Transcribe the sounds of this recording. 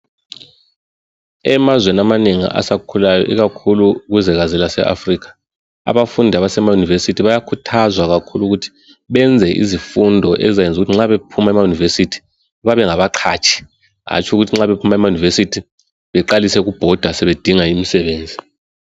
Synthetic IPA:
ɛmazwenamaneŋḭa̰sakʰulajɔ̰ʔiɣakʰuluɣuzɛɣazɛlasɛ̰ʔa̰friːkḁ | a̰βafundʱaβasɛmajunivesitʰiβajakʰutʰazwaɣakʰuluɣutʰi̥ | βɛnd͡zʱɛʔḭzifundʱɔʔɛzajend͡zʱuɣutʰiŋ͡ǁaβepʰumaɛmajunivesitʰi̥ | βaβɛŋaβaǃʰa̰ːt͡ʃʰi̥ | a̰t͡ʃʰʼuɣutʰiŋ͡ǁaβepʰumaɛmajunivesitʰi | βɛǃalisɛɣub̥ʱɔd̥ʱasɛβed̥ʱiŋaimisɛβeːnd͡zʱi

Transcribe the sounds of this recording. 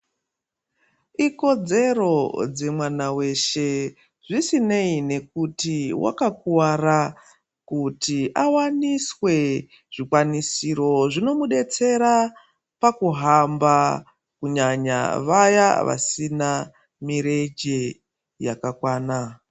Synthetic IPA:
iko̞d͡ze̞ro̞d͡ze̞mwanawe̞ʃe̞ | ʐisineine̞k̚utiwa̰kak̚uwara | kutiʔawaniswe̞ | ʐ̥ikwanisiɾo̞ʐino̞muɗe̞t͡se̞ɾa | pakuɦamba | kuɲaɲa̰ʋajaʋa̰sina | miɾe̞d͡ʒe̞ | jakakwaːna

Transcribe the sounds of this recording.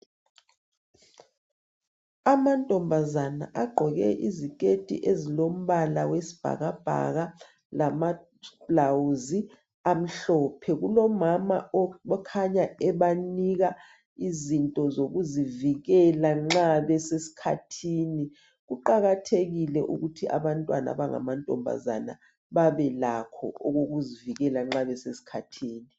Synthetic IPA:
amantʼɔmbʱazana̰ʔaɡ͡ǃʱɔɣɛ̰ʔizikʼetʼḭʔezilom̩ɓalawesi̥b̥ʱa̰ɣab̥ʱa̰ɣa | lama | b̥lawzi | am̩ɬɔːpʰɛɣ̬ulɔmamaɔkʰaɲaɛɓaniɣa | izintʼɔzoɣuziviɣɛlaŋ͡ǁaβɛsesi̥kʰatʰiːni | ɣuǃaɣatʰeɣilɛʔṵɣutʰiʔa̰βantʼwana̰βaŋa̰mantʼɔ̰mbʱa̰za̰na̰ | βaβɛlakʰɔ̰oɣoɣuziviɣɛlaŋ͡ǁaβɛsesi̥kʰatʰiːni

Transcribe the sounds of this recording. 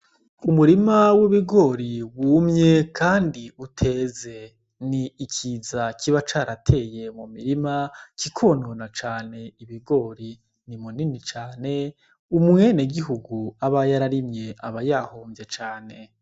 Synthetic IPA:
umuɾimawiβiɡo̞ːɾiwuːmɲe̞kʰaːndiutʰe̞ːze̞ | niːkʰiːzakʰiβat͡ʃaːɾatʰe̞ːje̞mumiɾimakikʰo̞ːnonat͡ʃaːne̞iβiɡo̞ːɾi | nimuninit͡ʃaːne̞ | umŋweːneɡiɦuɡuaβajaɾaɾimɲe̞ʔaβajahoːɱvje̞t͡ʃaːne̞

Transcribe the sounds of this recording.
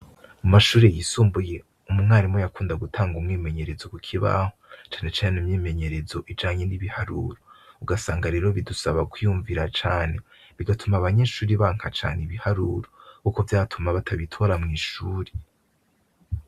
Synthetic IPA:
mumaʃuːɾejisuːmbuje̞ | umumŋaːɾimojakuːndaɡutʰaːŋɡumŋiːme̞ɲe̞ɾe̞zo̞kukʰiβa̰hot͡ʃaːne̞t͡ʃaːnenumɲiːme̞ɲe̞ɾe̞zo̞ʔid͡ʒaːɲeniβihaɾṵːɾouɡasaːŋɡaɾeːɾo̞βidusaβakwijuːɱviɾat͡ʃaːne̞ | βiɡatʰumaβaɲe̞ːʃuːɾiβaːŋ̥hat͡ʃa̰ːneiβihaɾuɾokukovjaːtʰumaβatʰaβitʰo̞ɾamŋiːʃuːɾe

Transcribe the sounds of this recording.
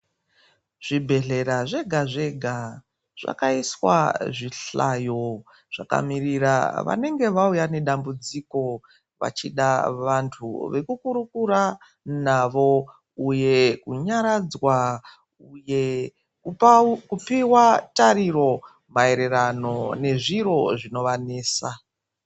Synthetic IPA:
ʐ̥ibʱe̞ɮe̞ɾaʐe̞ɡʱaʐe̞ɡʱa | ʐ̥a̰kaiswa̰ʐiɬajo̞ | ʐ̥aka̰miriɾa̰ʋa̰ne̞ŋɡe̞ʋaujane̞ɗambud͡ziko̞ | ʋa̰t͡ʃiɗaʋantʰṵʋe̞kukuɾukuɾa | naʋo̞ | uje̞kuɲaɾad͡zwa | uje̞ | kkupiwataɾiro̞ | mae̞ɾe̞rano̞ne̞ʐiro̞ʐino̞ʋane̞ːsa

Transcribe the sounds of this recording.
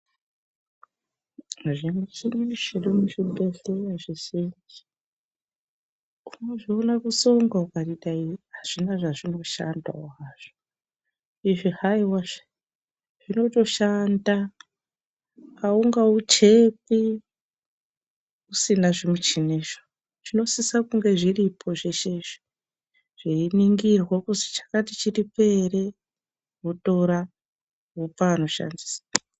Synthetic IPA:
ʐemut͡ʃiniʃeɗumuʃibʱeɬeraʐiʃiɲd͡ʒi̥ | umeʐionakuso̞ŋɡaukaritaiɦaʐ̥inaʐaʐino̞ʃa̰nda̰aʐ̥o | iʐihaiwaʐe̥ | ʐ̥ino̞to̞ʃanda | kauŋɡaut͡ʃe̞pi | usinaʐimut͡ʃineʃo̥ | ʐino̞sisakuŋɡe̞ʐiripʰo̞ʐeʃe̞ʐi̥ | ʐ̥iiniŋɡirwakusi̥t͡ʃḁkatit͡ʃiripe̞ɾe̞ | ɦuto̞ɾa | ɦupaano̞ʃa̰ndi̥sḁ

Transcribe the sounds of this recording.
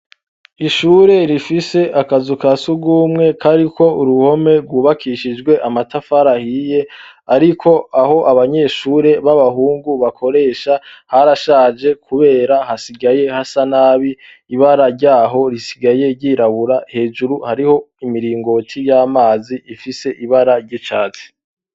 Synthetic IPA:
iʃuːɾe̞ɾifise̞ʔakazukasuɡuːmŋe̞kʰaɾikʰo̞uɾuho̞me̞ɾɡwuːβakʰiʃid͡ʒɡwe̞ʔamatafaɾahije̞aɾikʰo̞ʔaɦo̞ʔaβaɲe̞ːʃuːɾe̞βaβaɦuːŋɡuβakʰo̞ɾe̞ːʃahaɾaʃaːd͡ʒe̞kʰuβe̞ːɾahasiɡaje̞hasanaːβi | iβaɾaɾɟaːɦo̞ɾisi̥ɡaje̞ɾɟiːɾaβuɾahe̞ːd͡ʒuɾuhaɾiho̞imiɾiːŋɡo̞tʰijaːmaːziifise̞ʔiβaɾaɾɟit͡ʃaːzi̥

